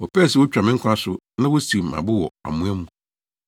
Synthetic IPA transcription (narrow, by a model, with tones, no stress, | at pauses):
wɔ˨pɛ˦˨sɪ˨wɔ˦t͡ɕᶣa˨mɪ̃˦ŋ˦kʷʰa˦sʊ˦ | nã˦wɔ˦si˨m̩˨ã̰˨bʊ˦wɔ̰˨a̰˨mũ˦æ˦mũ˦˨